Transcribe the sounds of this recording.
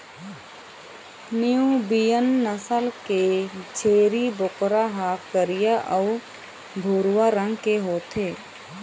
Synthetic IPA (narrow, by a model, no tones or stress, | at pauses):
niubijənːəsəlked͡ʒʰeːɾibʊkɾaɦaːkkəɾɪjaʔəʊ | bʱoːɾwaɾə̃ŋɡkeɦoːt̪eː